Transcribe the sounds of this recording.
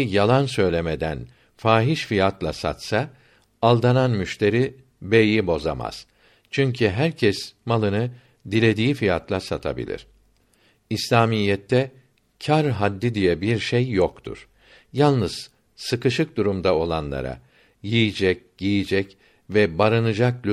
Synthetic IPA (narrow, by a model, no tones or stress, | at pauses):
jalˠansø̞jlʲemed̪æ̰n | faːɦiʃfijat̪lˠasa̰t̪sa | alˠd̪ananmyʃt̪ʰe̞ɾi | bejibo̞za̰ma̰z̥ | t͡ʃʰyɲcʰyɦæɾcʰɛsmalˠɯnɯ | d̪ilʲe̞d̪iːifijat̪lˠasat̪ʰa̰bḭlʲḭɾ̥ | islʲaːmijːɛt̪ʰːɛ | cʰaɾɦad̪ːid̪ijɛbiɾʃejːokt̪ʰṵɾ̥ | jalˠnɯz̥ | sɯkɯʃɯk̚d̪uɾumd̪ao̞lˠa̰nlˠa̰ɾa̰ | jijid͡ʒɛc̚ | ɟijid͡ʒɛc | vɛbaɾɯnɯd͡ʒaklʲ